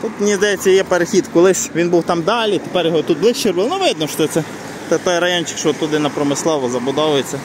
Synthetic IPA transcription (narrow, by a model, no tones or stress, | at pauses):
t̪ut̪nʲizd̪ɐjɛt͡sʲːɐjɛpeɾexʲit̪kɔlˠɪʃʋʲinbuwt̪ɑmd̪ɑlʲit̪epɛrjɔɦɔt̪ut̪̚blˠɪt͡ʃirbɪlˠnʊʋɪd̪nɔʃɔɛt̪sɛ | t̪ɛt̪ɔjɾɐjɔnʲt͡ʃɪ̥kʃɔɔt̪ːʊd̪ɪnɐpɾɔmɪslˠɔʋɔzɐbʊd̪ɔʋʊjet͡sʲːɐ